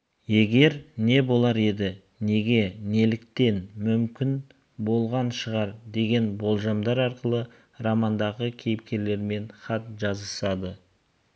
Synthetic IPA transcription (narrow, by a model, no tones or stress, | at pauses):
je̞ɡʲe̞ɾne̞bo̞lˠɑɾe̞d̪ɪ | ne̞ɡʲe̞ne̞lɪk̚t̪e̞nmʏmkʲɪn | bo̞lˠʁɑnʃəʁɑɾd̪e̞ɡʲe̞nbo̞lˠʒɑmd̪ɑɾɑɾqəlˠə | ɾɑmɑnd̪ɑʁəkʲʰe̞jɪpkʲe̞ɾle̞ɾme̞nχɑt̪ʒɑzəsɑd̪ə